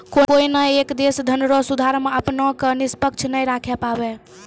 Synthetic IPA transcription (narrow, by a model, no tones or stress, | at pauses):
kokoinəekd̪esd̪ʱənɾosud̪ʱaɾmeəpnɔkenispəkt͡ʃʰnəjɾakʰɛpabɛ